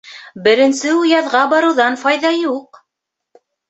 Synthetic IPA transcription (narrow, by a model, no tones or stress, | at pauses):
bɘ̆ɾɘ̆nsɘujɑðʁɑbɑɾɤ̆wðɑnfɑjðɑjuq